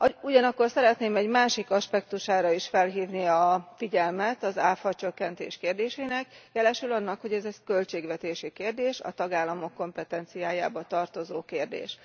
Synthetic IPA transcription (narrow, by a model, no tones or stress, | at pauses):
uɟɒnɒkːorsɛɾɛt̪neːmɛɟmaːʃikɒʃpɛkt̪uʃaːɾɒiʃfɛlɦiːvniɒfiɟɛlmɛt̪ɒzaːfɒt͡ʃøkːɛnt̪ḛːʃkeːrd̪eːʃeːnɛkjɛlɛʃylɒnːɒkho̞ɟɛzɛkø̞lt͡ʃeːɡʋɛt̪eːʃikeːrd̪eːʃɒ̰t̪ɒɡaːlːɒmo̞kːo̞mpɛt̪ɛnt̪sijaːjaːbɒt̪ɒrt̪o̞zoːkeːrd̪ḛːʃ